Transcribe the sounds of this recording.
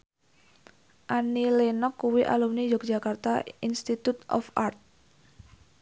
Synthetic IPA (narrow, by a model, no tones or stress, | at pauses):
ʔanilenɔkːuwiʔa̰lumnid͡ʒɔk̚d͡ʒakart̪ainst̪it̪ut̪ʔɔ̰fʔart̪̚